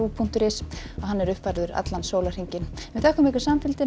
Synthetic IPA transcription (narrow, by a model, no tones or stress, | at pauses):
uːpʰuŋ̥t̪ʏɾɪs | ɔɣɦanːɛɾʏhpvajɾðʏɾa̰t̪lansoːwlar̥iɲcɪnvɪθɛhkʏmehkʏ̥samfɪlt̪ɪ